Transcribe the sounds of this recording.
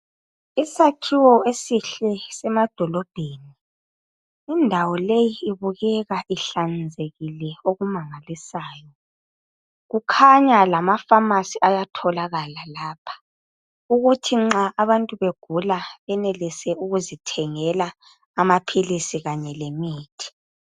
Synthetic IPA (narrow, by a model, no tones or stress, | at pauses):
isakʰiwɔesiɬɛsɛmad̥ʱɔlɔb̥ʱeni | indʱawɔlejiːβuɣɛɣaʔiɬand͡zʱeɣilɛoɣumaŋalisaːjɔ | ɣukʰaɲalamafamasiajatʰɔlaɣalalaːpʰḁ | uɣutʰiŋ͡ǁaʔːβantʼuβeɡ̥ʱulaβɛnelisɛuɣuzitʰɛŋɛlaː | mapʰilisiɣaɲɛlemiːtʰi̥